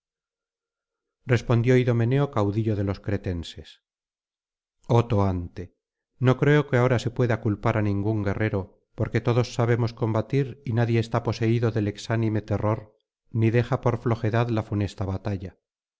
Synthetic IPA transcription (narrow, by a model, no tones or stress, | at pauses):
rre̞spo̞nd̪jo̞iðo̞me̞ne̞o̞kawðiʎo̞ðe̞lo̞skɾe̞t̪e̞nse̞s | o̞t̪o̞ant̪e̞ | no̞kɾe̞oke̞ao̞ɾase̞pwe̞ðakulpaɾanĩŋɡuŋɡe̞rʔe̞ɾo̞ | po̞ɾke̞t̪o̞ðo̞sːaβ̞e̞mo̞skõ̞mbat̪iɾinaðje̞ːst̪apo̞se̞iðo̞ðe̞le̞ksanime̞t̪e̞ro̞ɾ | niðe̞xapo̞ɾflo̞xe̞ðaðlafune̞st̪aβat̪aʎa